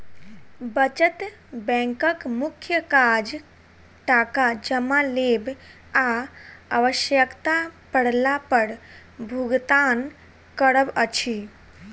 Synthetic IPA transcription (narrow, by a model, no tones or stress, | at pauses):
bət͡ʃət̪ | bɛ̃ŋkəkmukʰjəkad͡ʒ | ʈakad͡ʒəmaleb | aaʋəʃjəkt̪apəɽ̤lapəɾ | bʱuɡt̪an | kəɽəbət͡ʃʰi